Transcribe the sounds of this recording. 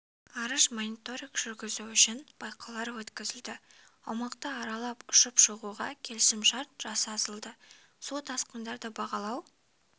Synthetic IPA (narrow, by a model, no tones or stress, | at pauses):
ɑɾəʃmonit̪o̞ɾijkʒ̥ʏɾɡʲɪzuʏʃɪnb̥ɑjqʰɑlˠɑɾwɵt̪kʲɪzɪld̪ɪ | ɑwmɑqt̪əɑɾɑlˠɑpʊʃəpʃoʁuʁɑkʲʰe̞lɪsɪmʃɑɾt̪ʒ̥ɑsːzəlˠd̪ə | sot̪ʰɑsqənd̪ɑɾd̪əbɑʁɑlˠɑw